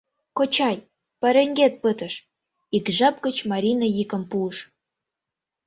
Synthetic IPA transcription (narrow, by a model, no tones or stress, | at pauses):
kot͡ɕɑj | pɑɾeŋɡet̪̚pət̪ə̆ʃ | ikʒɑp̚ɡət͡ɕmɑɾʲinəjikə̆mpuəʃ